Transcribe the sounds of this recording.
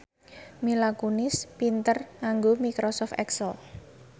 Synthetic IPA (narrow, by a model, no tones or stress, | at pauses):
milakunɪspint̪ərŋaŋɡomikɾɔsɔft̪ɛksəl